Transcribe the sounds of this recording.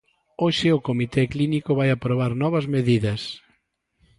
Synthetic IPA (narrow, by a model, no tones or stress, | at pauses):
oʃɪʊkomit̪ɛklinikʊβajapɾoβ̞aɾnɔβɐzmeðiðɐs